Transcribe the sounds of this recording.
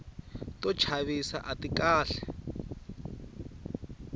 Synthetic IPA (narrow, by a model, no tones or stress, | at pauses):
tɔ̥t͡ʃʰaβisa̰ʔatikaːɬɛ